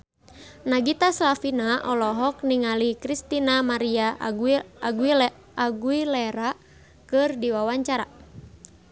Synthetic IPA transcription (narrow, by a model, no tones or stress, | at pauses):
naɡit̪aslafinaʔɔlɔɦɔkniŋalikɾist̪inamaɾia | aɡuiː | ɡuilɛɾa | kɨrdiwawaɲt͡ʃaɾa̰